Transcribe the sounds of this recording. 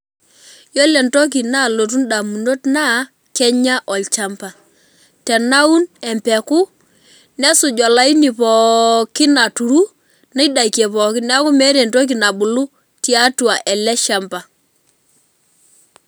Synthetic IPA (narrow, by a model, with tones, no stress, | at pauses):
jo˦lɛ˨nto˦k̬i˨na˦˨lo˨t̬u˦nɗa˨mu˨no˦tna˦ | kɛ˦ɲa˦ʔɔ˨lt͡ʃa˦mpa˨ | tɛ˨na˦u˦nɛ˨mpɛ˨kʊ˦ | nɛ˦sʊ˨d͡ʒɔ˨la˨˦i˦nɪ˨pɔ˨kɪ˦na˨tu˨ɾu˦ | na˦i˦da˨i˨kjɛ˨pɔ˨kɪ˦nɛ˦kʊ˦mɛ˦ɾɛ˨nto˦k̬i˨na˨bʊ˨lʊ˦ | ti˦a˦tu˨a˨ʔɛ˨lɛ˦ʃa˨mpa˨